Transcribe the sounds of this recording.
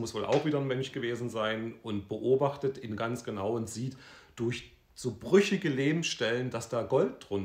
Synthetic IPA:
mʊsv̥oːlʔa̰ʊxv̥iːdɐnmœnçɡ̥əveːzn̩zaɪnʔʊnt̚b̥əʔoːbaχtətɪnɡant͡sɡ̥ənaʊʊnz̥iːtd̥ʊɐç | z̥oːbʁʏçɪɡəleːbm̩sʃtɛlənd̥asd̥aːɡɔlt̚d̥ʁʊn

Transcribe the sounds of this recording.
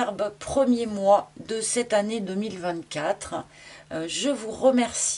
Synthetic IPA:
ʁbpχəmjemwad̪əsɛt̪aned̪əmilvɛ̃t̪kʲat̪χ | ʒəvuʁəmɛʁsi

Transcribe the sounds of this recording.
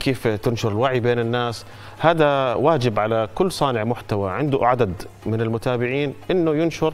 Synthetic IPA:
keːft̪ɪnʃʊɾɪlwaʕibeːnɪnːaːs | haːd̪awaːd͡ʒɪbʕalakʊlːsˤɑːnɪʕmʊħt̪awaʕɪnd̪ʊʕad̪ad̪ | mɪnɪlmʊt̪aːbɪʕiːnʔɪnːʊjʊnʃʊɾ

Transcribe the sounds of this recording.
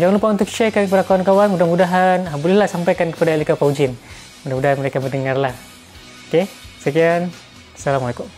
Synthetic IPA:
d͡ʒaŋanlupaunt̪ʊk̚ʃakankəpadakawankawanmudamudaɦanɦabulihlahsampajkankə̥padailikapaud͡ʒɪn | mudahmudaɦanməɾekabərndəŋarlah | okesəkian | salamalajkum

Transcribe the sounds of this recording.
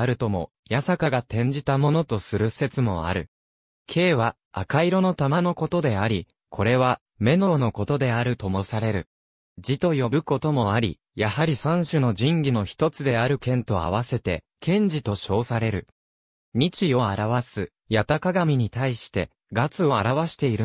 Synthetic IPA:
aɾɯ̟t̪o̞mo̞̰ | jasakaɡat̪ẽ̞ɲ̟d͡ʑit̪amo̞no̞t̪o̞sɨɾɯ̟se̞t͡sɨmo̞̰a̰ɾɯ̟̰ | kʰe̞ːβa | a̰kaiɾo̞no̞t̪amano̞ko̞t̪o̞d̪e̞aɾʲi | kʰo̞ɾe̞βa | me̞no̞no̞ko̞t̪o̞d̪e̞aɾɯ̟t̪o̞mo̞saɾe̞ɾɯ̟ | d͡ʑit̪o̞jo̞bɯ̟ko̞t̪o̞mo̞aɾʲḭ | jahaɾʲisãɰ̃ɕɨno̞ʑĩŋɡʲino̞çi̥t̪o̞t͡sɨd̪e̞aɾɯ̟kẽ̞nt̪o̞a̰β̞ase̞t̪e̞̰ | kʰẽ̞ɲ̟d͡ʑit̪o̞ɕo̞ːsaɾe̞ɾɯ̟ | ɲ̟it͡ɕio̞aɾaβasɨ | jat̪akaɡamʲiɲ̟it̪aiɕi̥t̪e̞ | ɡat͡sɨo̞aɾaβaɕi̥t̪e̞iɾɯ̟

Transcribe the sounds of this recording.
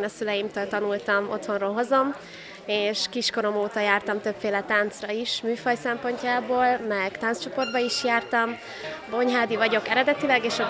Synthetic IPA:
nɒsylɛjimt̪øːlt̪ɒnult̪ɒmo̞̰t̪ho̞nroːlɦo̞zo̞m | eːʃkiʃko̞ɾo̞moːt̪ɒjaːrt̪ɒmt̪ø̞pfeːlɛt̪aːnt̪srɒiʃmyːfɒjsɛmpo̞ɲcaːboːlmɛɡt̪aːnst͡ʃo̞po̞rd̪̚bɒiʃjaːrt̪ɒm | bo̞ɲɦaːd̪ivɒɟo̞kɛɾɛd̪ɛt̪ilɛɡeːʃɒ

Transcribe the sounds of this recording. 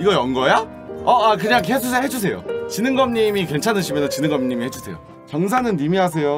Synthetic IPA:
iɡʌjʌŋɡʌja | ʌak̬ɯɲaŋkesʰushed͡ʑus̬ʰe̞jo̰t͡ɕinɯŋɡʌmɲimikwe̞nt͡ɕʰanɯɕʰimjʌnsʰʌt͡ɕinɯŋɡʌmɲimihe̞d͡ʑusʰe̞̰jo̰ | t͡ɕʌŋs̬ʰanɯnːimiɦas̬ʰe̞jo

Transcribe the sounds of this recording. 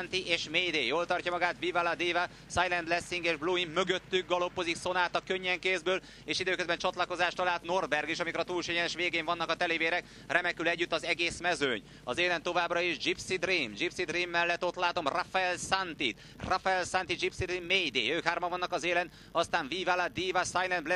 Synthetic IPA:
nt̪iʔeːʃmeːjd̪eːjoːlt̪ɒrcɒmɒɡaːt̪vivalad̪eːva | sajlɛnd̪lɛsːiŋɡeːʒbluːimːø̞ɡø̞t̪ːyɡ̚ɡɒlo̞pːo̞zikso̞naːt̪ɒkøɲːɛŋkeːzbøːl | eːʃid̪øːkøzbɛnt͡ʃɒt̪lɒko̞zaːʃt̪ɒlaːlt̪no̞rbɛrɡiʃɒmikoɾɒt̪uːlʃɛɲɛnɛʃʋeːɡeːɱvɒnːɒkɒt̪ɛleːveːɾɛk | rʔɛmɛkylɛɟːyt̪ːɒzɛɡeːsmɛzøːɲ | ɒzeːlɛnt̪ːo̞vaːbrɒeʒd͡ʒipsid̪riːmd͡ʒipsid̪riːmːɛlːɛt̪ːo̞t̪laːt̪o̞mrafɛɛlsant̪it̪ | rafɛɛlsant̪id͡ʒipsid̪immeːjd̪ḛːjøːkɦaːrmɒvɒnːɒkɒzeːlɛn | ɒst̪aːɱviːvalad̪iːvasajlɛndbl

